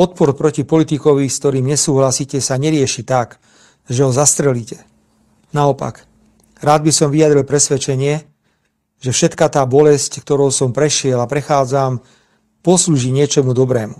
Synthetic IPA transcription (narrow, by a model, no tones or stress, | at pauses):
ɔt̪̚pɔɾpɾɔcipɔlit̪ikɔʋiskt̪ɔɾiːmɲɛsuːɦlasiːcɛsaɲɛɾɪɛʃit̪ak | ʒɛɦɔzast̪ɾɛliːcɛ̥ | naɔpa̰ɡ | ɾaːd̪̚bisɔmʋiad̪ɾilpɾɛsʋɛt͡ʃɛɲɪɛ | ʒɛfʃɛt̪kat̪aːbɔlɛsckt̪ɔɾɔʊsɔmpɾɛʃɪɛlapɾɛxaːd͡zam | pɔsluːʒiɲɪɛt͡ʃɔmud̪ɔbɾɛːmu